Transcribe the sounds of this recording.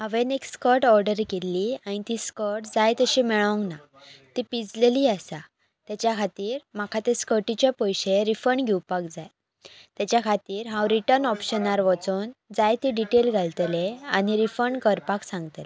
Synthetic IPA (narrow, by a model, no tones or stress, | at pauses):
ɦəʋenekskəɾʈɔɾɖəɾkelːiaɽ̃it̪iskəɾʈd͡zajt̪əɕimɛɭɔ̃ŋɡna | t̪ipid͡zleliːasa | t̪jat͡ɕjakʰat̪iːɾmakʰat̪eskəʈit͡ɕepəjɕeɾifəɳɡʱiwpakd͡zaj | t̪jat͡ɕjakʰat̪iːɾɦãwɾiʈəɾnɔpɕənaɾʋɔt͡soːnd͡zajt̪iɖiʈelɡʱalt̪leañiɾifəɳkəɾpaksãŋɡt̪le